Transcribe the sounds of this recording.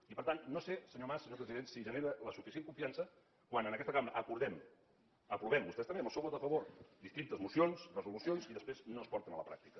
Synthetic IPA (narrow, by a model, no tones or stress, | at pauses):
ipəɾt̪annosesəɲomasəɲopɾəziðensiʒəneɾələsufisjeŋkuɱfiansə | kwanənəkɛst̪əkamɾəʔəkuɾðɛm | əpɾuβɛmbust̪ɛst̪əmbeməlˠsowβoðəfəβoɾd̪ist̪ɾint̪əzmusionsrəzulusionziðəspɾeznoəspɔɾt̪ənələpɾa̰k̚t̪ikə